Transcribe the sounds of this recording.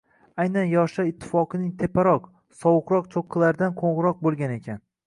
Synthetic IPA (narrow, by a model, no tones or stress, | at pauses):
ajnanjɒʃaɪt̪ʰːɪ̥fɒqʰɨnɪŋt̪ʰepʰaɾɒq | sɒwʊqɾɒq̚t͡ʃʰoqʰːɨlˠaɾd̪anqʰoɴʁɨɾɒq̚bolˠɡʲane̞kʲʰan